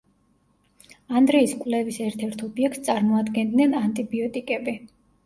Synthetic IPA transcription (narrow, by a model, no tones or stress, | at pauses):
and̪ɾɛiskʼvlɛvisɛɾt̪ʰɛɾt̪ʰɔbiɛk̚t̪ssʼaɾmɔad̪ɡɛnd̪nɛnant̪ʼibiɔt̪ʼikʼɛbi